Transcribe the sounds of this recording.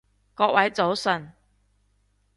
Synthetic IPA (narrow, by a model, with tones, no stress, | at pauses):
kɔː˧k̚wɐ˨˥jt͡so˨˥wsɵ˨n